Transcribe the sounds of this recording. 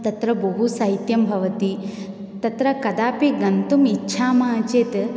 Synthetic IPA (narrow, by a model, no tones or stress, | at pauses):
t̪ɐt̪ɾɐbɐɦusɐɦit̪jɐmbʱɐʋɐt̪i | t̪ɐt̪ɾɐkɐd̪aːpiɡɐnt̪umitːʃʰaːmaːt͡ʃeːt̪